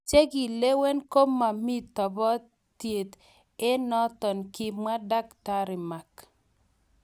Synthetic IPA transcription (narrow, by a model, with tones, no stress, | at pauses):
t͡ʃe˦ɡi˨le˦we˦nko˦ma˨mi˦tɔ˨bɔ˦ | tje˨t̪ | e˦nɔ˦t̪ɔ˨nkɪ˦ma˦da˦kta˦ɾɪ˨ma˨k